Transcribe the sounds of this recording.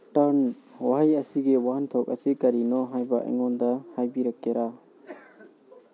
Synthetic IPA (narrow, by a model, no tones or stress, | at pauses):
ʈɐɾn | waɦajɐsiɡewant̪ʰɔk̚ɐ̰sikɐɾinɔɦajbaʔḛŋɔndahajbiɾɐkːeɾʔa